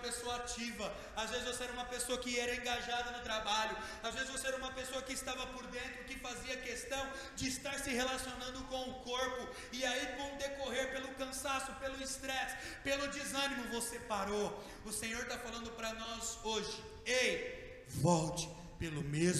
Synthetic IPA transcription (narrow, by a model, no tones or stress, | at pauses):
ɐpesoɐat͡ʃivɐ | azvezɪzvoseɛɾɐũmɐpesoɐkɪɛɾɐẽŋɡaʒad̪ɐnʊt̪ɾabaʎʊ | azvezɪzvoseɛɾɐũmɐpesoɐkɪːst̪avɐpoɾd̪ẽnt̪ɾʊkɪfaziɐkest̪ɐ̃w̃ | d͡ʒɪːst̪aɾsɪhelasionɐ̃nd̪ʊkõw̃ʊkoɾpʊ | ɪaivõw̃d̪ekoɦeɾpelʊkɐ̃sasʊpelʊist̪ɾɛs | pelʊd͡ʒizɐ̃nimʊvosepaɾo | ʊsẽɲoɾt̪afalɐ̃nd̪ʊpɾɐnɔzoʒɪ | ej | vɔwt͡ʃɪ̥ | pelʊmez